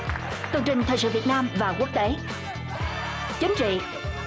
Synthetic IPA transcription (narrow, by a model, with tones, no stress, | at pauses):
t̪ɨ˨˩əŋt͡ɕï˨˩ŋ̟t̪ʰəː˨˩jsɨ̰˧˨vi˨˩t̚naː˧mvaː˨˩ku˦˥ək̚t̪e˨˦ | t͡ɕï˨˦ŋ̟t͡ɕḭ˧˨